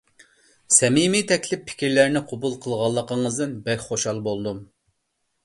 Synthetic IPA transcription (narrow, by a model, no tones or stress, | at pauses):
sɛmimit̪ʰɛkʲlɪpʰːɪ̥kʲiɾlæɾnɪqʰobulˠqʰəlˠʁɑlˠːəqəŋəzd̪ɨnbɛkʲχoʃɑlˠbolˠd̪um